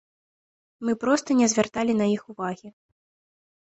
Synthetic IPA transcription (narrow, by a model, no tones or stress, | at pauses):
mɨpɾɔst̪ɐnʲɛzʲvʲart̪alʲinɐixuvaɣʲi